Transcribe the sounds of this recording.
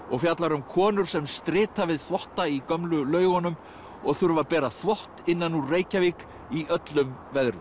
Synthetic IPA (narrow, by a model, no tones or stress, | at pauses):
ɔɣfjat̪laɾʏmkʰɔːnʏɾ̥sɛmst̪ɾɪːt̪avɪðθvɔht̪aikœmlʏlœːɥɣɔnʏm | ɔɣθʏɾvapɛːɾaθvɔht̪ɪnːanːureːjcaviːk | iʔœt̪lʏmvɛðɾʏ